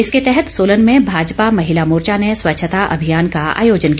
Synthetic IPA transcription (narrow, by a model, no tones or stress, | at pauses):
ɪsket̪ɛɦɛt̪soːlənmẽbʱaːd͡ʒpamɐɦɪlamʊːɾt͡ʃaneswɐtːʃʰət̪aʔɐ̰bʱijaːnkaa̰ːjoːd͡ʒənk